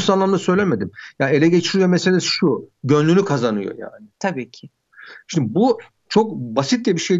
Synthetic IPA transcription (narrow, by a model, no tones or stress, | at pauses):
sanlˠamd̪asø̞jlʲeme̞d̪imjaːe̞lʲɛɟe̞t͡ʃʰiɾijo̞meselʲesi̥ʃuɟø̞nlʲynykʰazanɯ̰jo̰ja̰ːnɪt̪ʰabiːcʰɪ | ʃind̪bu | t͡ʃʰo̞k̚basit̪lʲɛbiʃej